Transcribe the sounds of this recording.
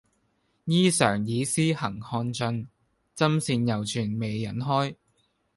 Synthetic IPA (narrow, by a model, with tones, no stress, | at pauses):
jiː˥sœ̰ː˨˩ŋjiː˨˧siː˥hɐ˨˩ŋhɔː˧nt͡ʃɵ˧n | t͡sɐ˥msiː˧njɐ˨˩wt͡ʃʰyː˨˩nme˨˧jːɐ˨˥nɦɔː˥j